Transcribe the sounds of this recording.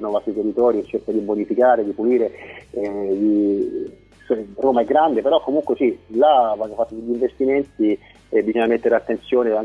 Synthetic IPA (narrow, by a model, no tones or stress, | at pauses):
novast̪ɾit̪erːit̪ɔːɾit͡ʃːerkad̪ibonifikaːɾed̪ipuliːɾe | i | sroːmaɛɡːɾand̪epeɾɔkːomuŋkwesilavakːafat̪ːod̪eʎːiɱvest̪iment̪i | bːizɔɲːamet̪ːeɾeat̪ːent̪sjoːneaŋ